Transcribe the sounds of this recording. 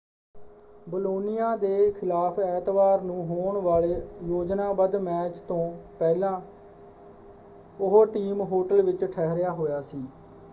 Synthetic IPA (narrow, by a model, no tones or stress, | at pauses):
bəloːnɪjaːd̪eːkʰɪlaːpʰɛːt̪ʋaːɾnũːɦoːɳʋaːleːjoːd͡ʒnãːbəd̪mɛːt͡ʃt̪õːpɛːlãː | ʊɦoːʈiːmɦoːʈəlʋɪt͡ʃʈʰɛːɦɾjaːɦoːjaːsiː